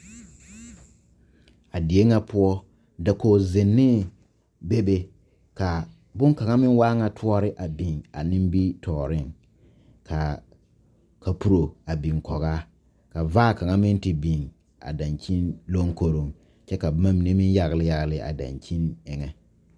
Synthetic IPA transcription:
a˨di˨e˦ŋa˦pʊ˦ɔ˦ | da˨koː˨zɪ˨nːɪ˦ | be˦be˦ | ka˨ | bʊ˦ŋka˨ŋa˦mɪ˦n˦waː˦ŋa˨tʰu˦ɔ˦ɾɪ˦ʔa˨bi˨ŋa̰˨nɪ˦m˦bi˦tʰɔː˨ɾɪ˦ŋ | kʰa˨ | ka˨pu˦ɾo˨a˨bi˨ŋkɔ˨ɣa˦ | ka˨vaː˦ka˨ŋa˦mɪ˦ntɪ˨bi˨ŋ | a̰˨da˨nt͡ʃi˦nlo˦ŋko˦ɾo˨ŋ | t͡ʃɛ˦ka˨˦ma˦mi˨ne˦mɪ˦n˦ja˦ɣlɪ˦ja˦ɣlɪ˨ʔa̰˨da̰˨nt͡ʃi˦nɪ˨ŋɛ˨

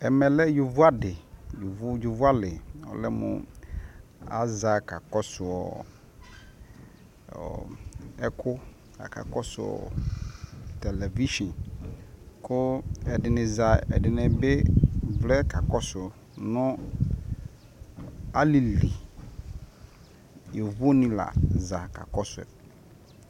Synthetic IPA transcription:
ɛ˨mɛ˨lɛ˦jo˨vʊ˦a˦dɪ˨jʊ˨vʊ˦ju˨vʊ˦a˦lɪ˨ɔ̰˨lɛ̰˦mʊ̰̃˨ | a̰˦za˨ka˨kɔ˦sʊ˨ɔ̰˨ | ɔ̰˨ɛ˦kʰʊ˦ | a̰˨kʰa̰˨kɔ˦sʊ̰˨ɔ̰˨ | tɛ˨lɛ˨vi˦ʃɔ̃˨n | kʰʊ˦ɛ˨dɪ˨nɪ̃˨za˨ɛ̰˨dɪ˨nɛ̃˨be˦vlɛ˦ka˨kɔ˦sʊ˨ | nʊ̃˦ | a˦li˨li˨ | je˨vo˦nɪ̃˦la̰˨za˨ka̰˨kɔ˦sʊ˨ɛ̰˨

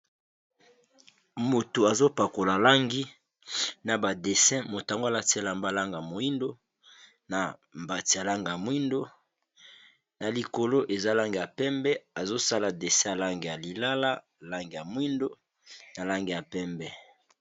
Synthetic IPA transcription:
mo˨to˨a˨zo˦pa˨ko˨la˨la˦ŋɡi˦ | na˨ba˨de˨sɛ̃˦mo˨ta˨ŋɡa˨la˦ti˦a˦˨la˨mba˦˨la˦ŋɡa˨mo˨i˦ndo˦ | na˨mba˨ti˨ja˨la˦ŋɡa˨mwi˦ndo˦ | na˨li˨ko˨lo˦ʔe˨za˦la˦ŋɡi˨ja˨pɛ˦mbɛ˦a˨zo˦sa˦la˨de˨sɛ̃˦ja˨la˦ŋɡi˨ja˨li˨la˦la˦ | la˦ŋɡi˨ja˨mwi˦ndo˦ | na˨la˦ŋɡi˨ja˨pɛ˦mbɛ˦

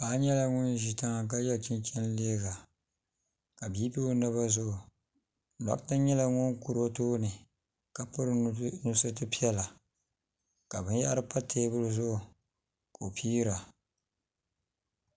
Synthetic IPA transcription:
paː˦ɲɛ˦la˦ŋʊ˦nʒi˨ta˦ŋa˦k̬a˦jɛ˦lt͡ʃɪ˦nt͡ʃɛ˦n˦leː˦ɡa˨ | ka˨biː˦pi˦o˦nɨ˦βa˦zʊ˦˨ | na̰˨kta˦ɲɛ˦la˦ŋʊ˦nku˨ɾo˦toː˦nɨ˨ | ka˨pʊ˦ɾnu˦sɨ˦tɨ˦pi˦ɛ˦la˨ | ka˨bɨ˦nja˦ɾɨ˦pa˦tʰeː˦bʊ˦lɨ˦zʊ˦ʔ | ko˨pʰiː˦ɾa˨

